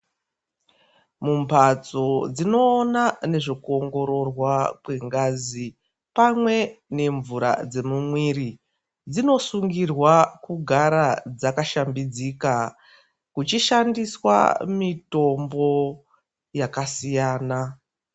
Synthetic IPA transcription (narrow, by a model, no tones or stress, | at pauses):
mumpʰat͡so̞d͡zino̞ːnane̞ʐokuoŋɡo̞ɾo̞rwakwe̞ŋɡazi | pamwe̞ne̞ɱvuɾa̰d͡ze̞mumwiɾi | d͡zino̞suŋɡirwakuɡʱaɾad͡zakaʃambid͡zika | kut͡ʃiʃandiswa̰mito̞mbo̞ | jakasijaːna